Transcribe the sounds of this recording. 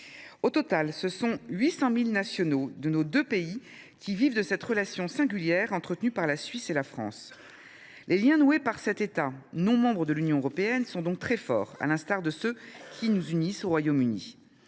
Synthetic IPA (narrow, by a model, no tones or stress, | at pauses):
ot̪ɔt̪alsəsɔ̃ɥisɑ̃milnasjɔnod̪ənod̪øpei | kʲʰivivd̪əsɛt̪ʁəlasjɔ̃sɛ̃ɡʲyljɛʁɑ̃t̪χət̪nypaʁlasɥiselafχɑ̰̃s | lʔeljɛ̃nuepaʁsɛt̪et̪anɔ̃mɑ̃bʁəd̪əlynjɔ̃øʁɔpeɛnsɔ̃d̪ɔ̃k̚t̪χɛfɔ̰ːʁa̰lɛ̃st̪aʁd̪əsøkʲʰinuzynisoʁwajomynḭ